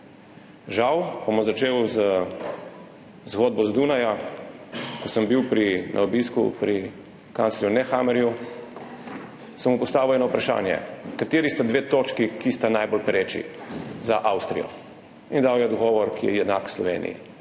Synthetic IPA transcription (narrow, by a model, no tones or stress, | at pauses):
ʒawpamɔzat͡ʃeːwzə | zɣɔːd̪̚bɔzd̪unaja | kɔsəmbiwpɾinʔa̰ɔbiskṵpɾi | kantslɾjunɛxamɛɾju | samupɔst̪aːʋiwɛnɔupɾaʃa̰ːnjɛ̰kat̪eːɾist̪ad̪ʋeːt̪oːt͡ʃkikist̪anajbɔlpɾeːt͡ʃḭzaʔawst̪ɾḭjɔ̰ | ind̪awjɛd̪ɔɡɔːʋɔɾkijɛjɛd̪naːkslɔʋḛːnḭjḭ